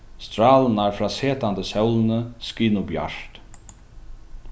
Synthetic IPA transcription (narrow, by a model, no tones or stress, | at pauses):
st̪ɾaːlənaɹfɾaːseːt̪ant̪əsɛwlnəskiːnʊbja̰ʂt̪